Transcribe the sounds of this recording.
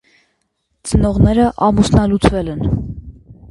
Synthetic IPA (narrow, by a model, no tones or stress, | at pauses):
t͡sənɔʁnɛɾəʔɑmusnɑlut͡svɛlɛn